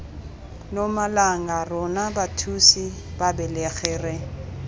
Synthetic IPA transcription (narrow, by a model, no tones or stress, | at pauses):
nɔmalaŋarɔnabatʰusibabɛlɛɣɛːrɛ